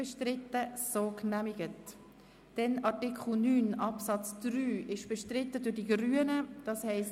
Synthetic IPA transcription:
ɛʃtɾɪt̪ːəsoːknæmɪɡət | d̥ɛnɑɹtɪkʰl̩nyːnɑpsɑt͡sd̥ryːɪʃb̥ɛʃtrɪtːədʊd̥iɡryːənəd̥ɑshɛɪs

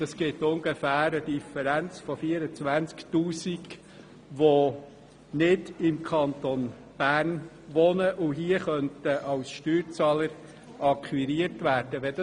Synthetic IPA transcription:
d̥ɑsɡ̥ɪtʊŋɡɛfæːɾəd̥ifəɾænt͡sfɔfiːəɾət͡sʋænt͡sktuːsiɡ | ʋo | nɪdɪmkʰɑnt̪on | b̥æːɾn | ʋɔnəʔʊɦiəχœntəʔɑwsʃtyːɾt͡sɑːləɾ | ɑkχwiɾiəɾtʋæːɾd̥əʋɛdɑ

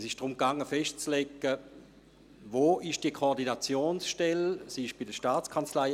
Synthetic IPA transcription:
sɪʃd̥ʁʊmkaŋːəfɛʃtt͡slekːə | ʋoːɪʃd̥iəkʰoːʁdinat͡sjoːnsʃtɛlsiʃb̥ɪdəʃtaːt͡skʰant͡slaɪ

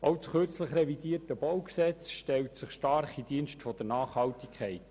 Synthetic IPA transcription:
ɑwsχørt͡sləχɾɛvidiːtəb̥owksɛt͡sʃtɛltsɪχʃtɑrχidiːnʃtfɔd̥əɾnɑːχhɑltikʰχɛɪt

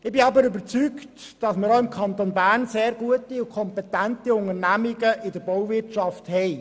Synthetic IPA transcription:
ɪbɪɑbəɾʏbəɾt͡sykt | d̥ɑsməɾoɪmkʰɑnt̪onbæːɾnseːɾɡuətiʊkʰɔmpɛtæntiʊŋəɾnæmiɡəʔɪdəɾbɔwvɪtʃɑfthɛɪj

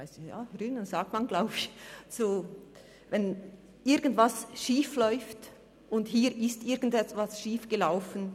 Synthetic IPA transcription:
aɪsja̰ːɾyːnənzaːk̚tmanɡlaʊbɪçz̥oː | vɛn | ʔɪʁɡən̩tv̥asʃiːflɔʏft | ʔʊndhiːɾʔɪstʔɪɾɡən̩dɛtv̥asʃiːfɡ̥əlaʊfən̩

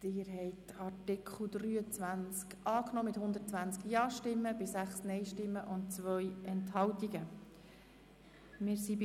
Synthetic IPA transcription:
d̥ɪːɾɦɛɪtɑrtɪkʰχl̩d̪ryːət͡svʋænt͡skʔɑːknɔːmɪt̪hʊnd̪əɾtt͡sʋænt͡skjɑːʃtɪmːəb̥ɪsæχsnɛɪʃtɪmːəʔʊnt̚t͡svœjɛnthɑltiɡə | mɪːɾsib

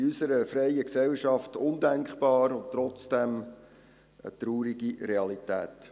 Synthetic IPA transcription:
ysəɾəfɾɛjəksɛlʃɑftʊnd̪æŋkχb̥ɑːɾʊntːɾɔt͡sd̥ɛm | ə̰t̪ɾuːɾiɡiɾɛɑlitæ̰ːt

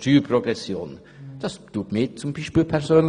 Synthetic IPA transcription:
tyːprɔɡʁɛsjo̰ːn | d̥ɑstuːtmiːt͡sʊmbiːʃpiːlpʰɛʁsøːnl

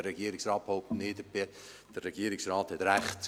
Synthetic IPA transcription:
əɾɛɡiːəɾɪksrɑːt̚phoʊp̚tnɪːdəpɪ | d̥ərːɛɡ̥iːəɾɪksrɑːthɛtɾæχt

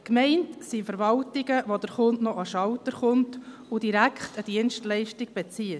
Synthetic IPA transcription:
kmɛɪntsifəɾʋɑltɪɡəʋodəɾχʊntnɔʔɑʃɑwtəɾχʊntudiɾækʰχtəd̥iənstlɛɪʃtɪɡ̚b̥ɛt͡siə

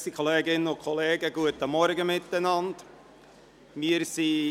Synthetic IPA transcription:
sikʰoleːɡɪnənʊkʰɔleːɡəɡuətːəmɔɾɡəmɪt̪ːənɑnd̥ | mɪəɾsi

